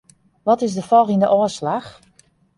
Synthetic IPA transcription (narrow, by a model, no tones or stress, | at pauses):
ʋɔtɪzdəfɔlˠxindəʔɔəslax